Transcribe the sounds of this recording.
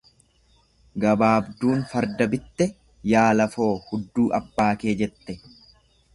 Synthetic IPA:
ɡɐbaːbd̪uːnfɐɾd̪ɐbɪt̪ːɛ | jaːlɐfo̞ːhʊd̪ːuːʔɐbːaːke̞ːd͡ʒɛt̪ːɛ

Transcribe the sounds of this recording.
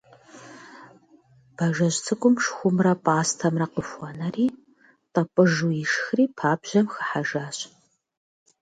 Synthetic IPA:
b̥ɐʒɐɕt͡sʰɨkʷʼʊmʂxʷʊmrɐpʼaːstʰɐmrɐqəfʷɐnɐriː | tʼɐpʼɨʒujɪʂxriːpʰaːbʑ̥ɐmxə̥ħaʒaːɕ

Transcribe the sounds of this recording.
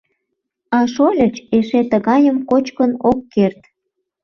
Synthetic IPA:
ɑʃolʲə̆t͡ɕeʃet̪əɣɑjəmkot͡ɕkənokːert̪

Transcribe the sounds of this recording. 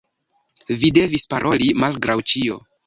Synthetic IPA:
vide̞vispaɾʔo̞limalɡɾawt͡ʃio̞̰

